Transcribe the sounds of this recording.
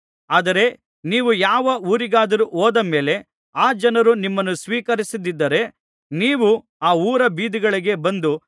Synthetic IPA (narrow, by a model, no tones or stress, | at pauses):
aːd̪ɐɾe̞ | niːʋujaːʋɐuːɾiɡaːd̪ɐɾuʔoːd̪ɐme̞ːle̞ | aːd͡ʒɐnɐɾunimːɐnːusʋiːkɐɾisid̪id̪ːɐɾe̞ | niːʋu | aːuːɾɐbiːd̪iɡɐɭiɡe̞bɐnd̪u